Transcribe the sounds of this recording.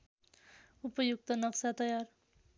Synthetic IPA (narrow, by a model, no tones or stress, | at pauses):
upʌjuɡ̚t̪ʌnʌksat̪ʌjar